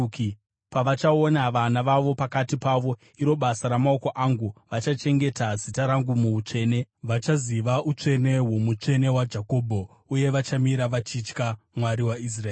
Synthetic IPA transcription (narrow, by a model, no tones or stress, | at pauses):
k | paʋat͡ʃaonaʋanaʋaʋo̞pakatipaʋo̞ | iɾo̞ɓasaɾamao̞ko̞ʔaŋɡuʋat͡ʃat͡ʃe̞ŋɡe̞tazitaɾaŋɡumuut͡ʂe̞ːne̞ʋat͡ʃaziʋaʔut͡ʂe̞ne̞womut͡ʂe̞ne̞wad͡ʒako̞bʱo̞ | uje̞ʋat͡ʃamiɾaʋat͡ʃit͡ʃka | mwaɾiwais̬raeː